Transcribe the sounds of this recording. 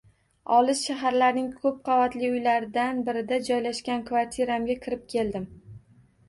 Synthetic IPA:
ɒlˠɪʃʃaɦaɾlaɾnɪŋkʰɵp̚qʰɑvat̪lɪʊjlaɾɪd̪anbɪɾɪd̪ad͡ʒɒjlaʃkʲankvaɾt̪ʰiɾamɡʲakʲʰɪɾɪp̚kʲʰe̞ld̪ɪm

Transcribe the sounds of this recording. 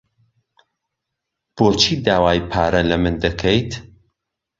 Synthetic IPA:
b̥oːt͡ʃʰiːd̪aːwaːjpʰaːɾɐlɐmɨnd̪ɐkʰejt̪

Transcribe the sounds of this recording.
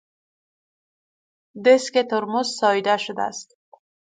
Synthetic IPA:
d̪esket̪ʊɾmusːɒːjd̪aʃʊd̪a̰st̪

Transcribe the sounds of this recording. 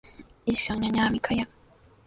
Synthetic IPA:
isxawɲaɲamʲikʰajak

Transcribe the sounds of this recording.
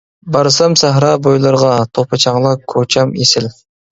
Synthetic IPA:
bɑɾsɑmsæɦɾɑbojlˠɑɾʁɑt̪ʰopʰɑt͡ʃʰɑŋlˠɑkʰːot͡ʃʰɑmesɪl

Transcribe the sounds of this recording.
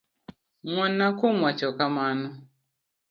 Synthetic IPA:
ŋʷanakʊmwat͡ʃɔkamanʊ

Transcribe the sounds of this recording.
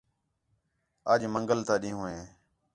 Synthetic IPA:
əːd͡ʒməŋɡəlt̪ãːɗĩːɦũːẽː

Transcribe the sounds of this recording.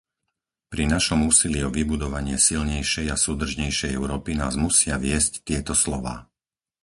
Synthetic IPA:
pɾinaʃɔmuːsiliɔʋibud̪ɔʋaɲɪɛsilɲɛjʃɛjasuːd̪r̩ʒɲɛjʃɛjɛʊɾɔːpinaːzmusɪaʋɪɛsct̪ɪɛt̪ɔslɔʋa̰ː

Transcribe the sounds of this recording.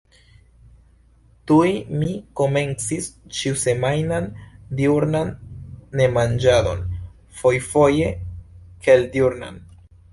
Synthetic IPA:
tuimiko̞me̞nt͡sist͡ʃiuse̞majnandiuɾnanːe̞mand͡ʒado̞̰n | fo̞jfo̞je̞keldjuɾna̰n

